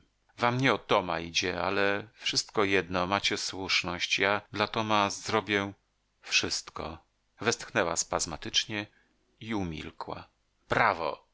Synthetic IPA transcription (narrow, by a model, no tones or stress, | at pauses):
vamɲɛɔt̪ɔma̰id͡ʑɛa̰lɛfʂɘst̪kɔjɛd̪nɔmat͡ɕɛswuʂnɔɕt͡ɕjad̪lat̪ɔmazɾɔbʲjɛ | fʂɘst̪kɔ̰ | vɛst̪xnɛwa̰spazmat̪ɘt͡ʂɲɛ | iumʲḭlkwa̰ | bɾavɔ̰